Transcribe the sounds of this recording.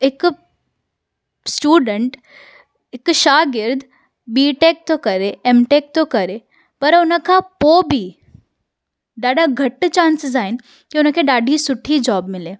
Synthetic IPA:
ek | sʈuːɖəɳʈ | ekʃaːɡɪɾd̪ʱ | biːʈek̚t̪okɐɾeemʈek̚t̪okɐɾe | pɐɾʊnəkapobʱiː | ɖaːɖaɡʱɐʈːt͡ʃãːnsɪzaːin | kiʊnəkeɖaːɖʱisʊʈʰːiːd͡ʒɔːbmɪleː

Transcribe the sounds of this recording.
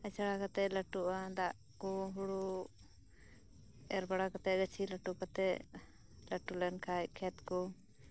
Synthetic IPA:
ət͡ʃaɽakat̪ɛləʈuʔad̪aʔ | kɔɦuɽu | ɛɾbaɽakat̪ɛɡət͡ʃʰiləʈukat̪ɛʔ | ləʈulɛnkʰakʰɛt̪kɔ

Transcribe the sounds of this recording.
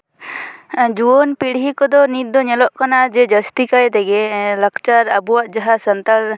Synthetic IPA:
d͡ʒuɔnpiɽɦikɔd̪ɔnit̪̚d̪ɔɲɛlɔʔkanad͡ʒɛd͡ʒəst̪ikajt̪ɛɡɛləkt͡ʃaɾabuwaʔd͡ʒaɦasənt̪aɾ

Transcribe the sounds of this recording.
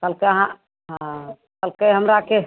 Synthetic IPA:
kəlkeəɦã | ɦ | kəlkeɦəmɾake

